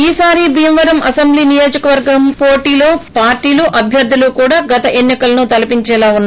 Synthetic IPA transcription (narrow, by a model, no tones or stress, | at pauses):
iːsaːɾibʱiːmʋɐɾɐmɐsɐmbliːnijo̞ːd͡ʒɐkɐʋɐɾɡɐmpoːʈiːloːpaːɾʈːiːluʔɐbʱjɐɾd̪ʱːulukuːɽaːɡɐt̪ɐʔenːikɐlɐnut̪ɐlɐpiɲt͡ʃɛːlaːunː